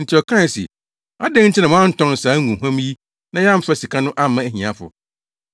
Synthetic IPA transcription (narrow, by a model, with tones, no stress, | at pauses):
n̩˨tʰɪ˦ɔ˨kʰã˦˨sḭ˨ | a̰˦dɛ̃˦n̩˦t͡ɕʰɪ˦nã˨wɔ̃˦ã˦n̩˦tʰɔ̃˦n˨saː˨˦ŋũ˨ɦã˦mji˦ | nã˦jɛ˦a˦m̩˦fa˦si˨kʰa˦nʊ̃˦ʔa˦mã˦æ˦hĩ˨ã˨fʊ̰˨